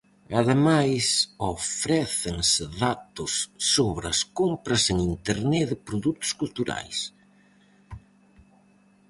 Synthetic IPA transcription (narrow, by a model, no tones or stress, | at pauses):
ɐðemajsofɾɛθɪŋsɪðat̪ʊsːoβɾɐskompɾɐseŋint̪eɾnɛðɪpɾoðut̪ʊ̥skult̪uɾa̰js